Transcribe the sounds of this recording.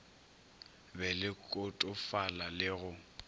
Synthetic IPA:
bɛlɪkʼʊtʼʊfalalɪɣʊ

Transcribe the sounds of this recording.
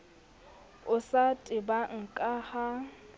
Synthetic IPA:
ʊsatʼɪbaŋ̩kʼaha

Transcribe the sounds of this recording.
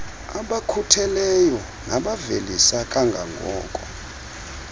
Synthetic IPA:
aɓakʰutʰɛlɛjɔ | naɓavelisakʼaŋɡʱa̰ŋɡʱɔ̰ːkʼɔ

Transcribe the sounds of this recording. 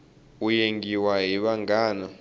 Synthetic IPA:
ujeŋɡiwaɦiɓaŋɡaːnɔ

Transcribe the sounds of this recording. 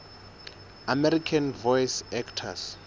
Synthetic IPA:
amɛɾikʰanvɔjsɛktʰa̰s

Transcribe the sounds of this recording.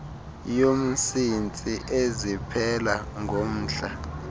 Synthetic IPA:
jom̩sint͡sʼiʔezipʰɛlaŋʱom̩ːɬa

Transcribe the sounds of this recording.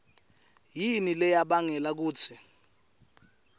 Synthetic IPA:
jinilɛjaɓaŋɛlak̬uːt͡sʰɛ

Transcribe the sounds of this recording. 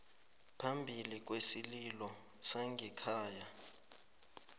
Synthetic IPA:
pʰambʱilik̬ʼwesililɔ | saŋɡʱikʰaːja

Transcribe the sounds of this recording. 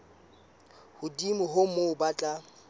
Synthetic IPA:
hʊdimʊɦomoʊbat͡ɬʼa

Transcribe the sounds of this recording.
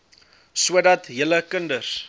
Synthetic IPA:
suədɐtɦələkəndər

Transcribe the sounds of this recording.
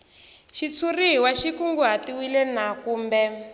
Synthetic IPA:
ʃit͡sʰuriɦiwaʃikuŋɡuɦatiwilɛnakuːmbɛ

